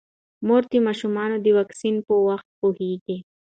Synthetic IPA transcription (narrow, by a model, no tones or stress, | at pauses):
moɾt̪imɑʃumɑnod̪əwɑksinpəwaxt̪̚pohiɡi